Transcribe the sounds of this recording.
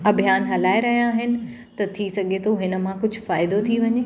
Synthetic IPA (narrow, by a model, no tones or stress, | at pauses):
ɐbʱijaːnɦɐlaːeɾɐɦijãːɦɪnɪ̆ | t̪ɐt̪ʰisɐɡʱet̪ʰoɦɪnə̆m̤ãkʊd͡ʑʱʊfaːɪd̪ot̪ʰiʋɐɲeː